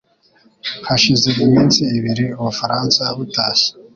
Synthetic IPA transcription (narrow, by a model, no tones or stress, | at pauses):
haʃizeɡumiːnsiːβiɾiuβufaɾaːnsaβutase̥